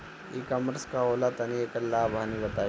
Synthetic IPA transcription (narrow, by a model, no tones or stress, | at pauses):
ikaməɾskaoːlat̪ɐnijekɐlːaːbʱaniʋɐt̪a